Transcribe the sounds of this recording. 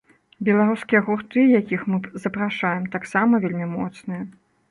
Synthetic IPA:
bʲɛlˠaɾuskʲijɐɣurt̪ɨjakʲixmɨzɐpɾaʂajɛmt̪aksamɐvʲelʲmʲimɔt̪snɨjɐ

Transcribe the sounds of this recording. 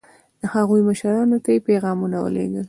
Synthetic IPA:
d̪əhaɣujməʃɾɑnot̪ajepeɣɑmunawə̰lḛɡəl

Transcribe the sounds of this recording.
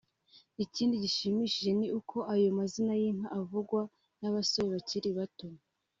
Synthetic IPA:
iciːndiɟiʃimiʃiʒe̞niʔukʰo̞ʔajo̞mazinajinaʔavuɡwa | naβasoβeβaciɾiβatoma

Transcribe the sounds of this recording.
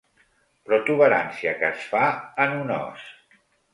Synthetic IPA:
pɾɔt̪uβəɾa̰nsiakəsfaənunɔ̰s

